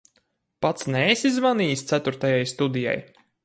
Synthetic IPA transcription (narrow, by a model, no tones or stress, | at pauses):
pat̪snɛːsizvanijst̪sæt̪uɾt̪ajajst̪ud̪ija̰j